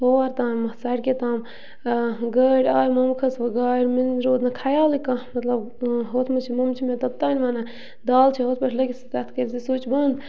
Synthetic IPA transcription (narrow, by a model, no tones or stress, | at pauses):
hoːɾt̪ãːmmɐsaːɽket̪aːm | ɡəɽʲaːɾmɐmkʰɐsʋɐɡaːɾminɾoːd̪nɐkʰaːjaːlikãmɐt̪lɐb | ɦoːt̪ʰmɐt͡ʃʰimɐmt͡ʃʰimẽt̪ɐb̚t̪anʲʋaːnɐ | d̪aːlt͡ʃʰiɦoːt̪̚pɐʈʰlɐkisit̪ɐt̪ʰkɐɾisisoːt͡ʃbɐnd̪